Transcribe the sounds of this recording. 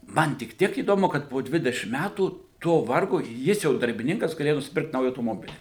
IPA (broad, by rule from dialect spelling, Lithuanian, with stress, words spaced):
ˈmɐn tʲɪk ˈtʲiɛk iːdoːˈmʊ kɐt poː ˈdʲʋʲɪdʲɛʃʲɪm ˈmʲætuː toː ˈʋɐrɡoː ˈjɪs jɛʊ dɐrʲbʲɪˈnʲɪŋkɐs ɡɐˈlʲeːjɛ nʊsʲɪˈpʲɪrkt ˈnɐʊjæː ɐʊtoːˈmoːbʲɪlʲɪ